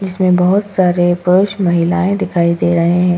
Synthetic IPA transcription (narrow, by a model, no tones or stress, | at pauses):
d͡ʒɪsmẽbɐɦʊt̪saːɾepʊɾʊʃmɐɦɪlaːẽd̪ɪkʰaːid̪eːɾɐɦeɦɛ̃ː